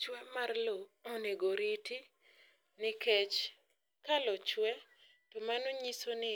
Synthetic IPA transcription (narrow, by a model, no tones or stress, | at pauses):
t͡ʃwɛmarlo | oneɡoɾiti | nɪket͡ʃ | kalɔt͡ʃwɛ | tomanoɲisonɪ